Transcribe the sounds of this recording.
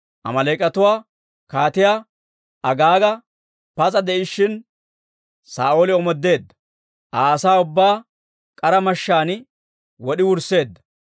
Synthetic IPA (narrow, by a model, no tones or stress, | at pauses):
ʔɐ̰mɐlɐjkʼɐt̪ʊwaː | kaːt̪ɪjaː | ʔɐɡaːɡɐ | pɐt͡sʼɐd̪ɛʔɪʃːɪn | sa̰ːʔoːlɪɔmɔd̪ːe̞ːd̪ːɐ̥ | ʔaːɐsaːʊbːaː | kʼɐɾɐmɐʃːaːnɪ | wɔɗɪwʊɾse̞ːd̪ːɐ̥